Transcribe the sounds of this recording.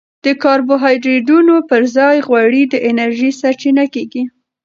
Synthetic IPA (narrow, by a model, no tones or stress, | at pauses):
d̪̥əkɑɾboɦɑjd̪ɾed̪unopəɾzɑjɣwaɽid̪əʔɪnaɾʒisaɾt͡ʃinakeɡi